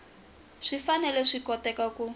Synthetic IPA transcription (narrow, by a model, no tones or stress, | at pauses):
ʂifanɛlɛʂikɔtɛkaku